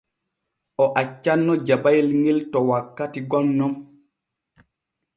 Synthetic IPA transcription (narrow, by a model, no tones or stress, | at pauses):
ʔɔʔat͡ʃːanːɔd͡ʒabajlŋiltɔwakːatiɡɔnːɔm